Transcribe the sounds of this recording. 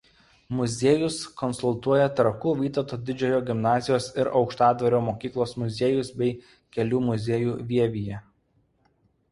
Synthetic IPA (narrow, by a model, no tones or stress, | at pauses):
mʊzʲeːjʊskɔnsʊlˠt̪uɔjɛt̪ɾɐkuːʋʲiːt̪ɐt̪oːd̪ʲɪd͡ʒʲoːjoːɡʲɪmnɑːzʲɪjoːsɪɾɒʊkʃt̪ɑːd̪ʋɐɾʲoːmoːkʲiːklˠoːsmʊzʲeːjʊsbʲɛɪ | kʲɛlʲuːmʊzʲeːjuːʋʲiɛʋʲijɛ